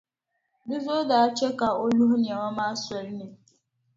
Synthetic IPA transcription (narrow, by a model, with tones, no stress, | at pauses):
bi˦zo˦da˨a˦t͡ʃe˦ka˨o˦lu˦ɦu˦n˨e˨ŋɔ˦ma˦a˦se˨ɾi˦ne˨